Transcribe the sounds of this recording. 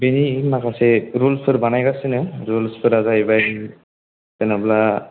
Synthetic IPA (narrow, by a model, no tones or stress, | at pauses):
benimakasɛɾulpʰɯɾbanajɡasɯnɯɾulspʰɯɾazajbaj | tɛnabla